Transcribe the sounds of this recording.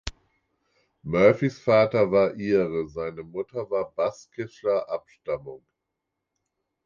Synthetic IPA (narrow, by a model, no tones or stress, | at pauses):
mœɐfisfaːtɐvaːɐʔiːʁəzaɪnəmʊtʰɐvaːɐbaskʰɪslɐʔapʃtamʊŋ